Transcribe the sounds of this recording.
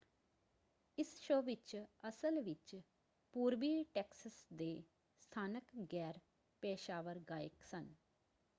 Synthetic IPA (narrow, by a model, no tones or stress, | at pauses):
ɪsʃoːʋɪt͡ʃəsəlʋɪt͡ʃ | puːɾʋiːʈɛːksəsd̪eː | st̪ʰaːnəkɡɛːɾ | peːʃaːʋəɾɡaːɪksən